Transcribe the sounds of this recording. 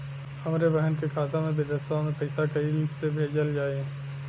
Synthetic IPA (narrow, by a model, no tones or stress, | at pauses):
hɐmɾebɛɦənkekʰaːt̪amẽbed̪əsãmẽpɐɪsakɐilɪksebʱeːd͡ʒəld͡ʒaːe